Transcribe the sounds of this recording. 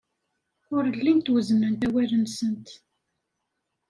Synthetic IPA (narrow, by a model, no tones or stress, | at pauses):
ʊɾəlːint̪wəzənːənt̪æwælənsənt̪